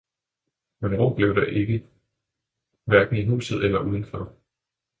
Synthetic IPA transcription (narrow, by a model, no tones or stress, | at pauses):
menʁo̝̰ːb̥le̝ʊd̥ɑʔe̝ɡ̥ə | ʋæɐɡ̥n̩iɦṵːsð̩ˠelɐʔuðˠən̩fɒ